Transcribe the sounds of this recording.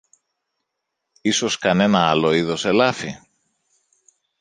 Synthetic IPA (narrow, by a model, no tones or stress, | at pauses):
iso̞skɐne̞nɐɐlo̞iðo̞se̞lɐfi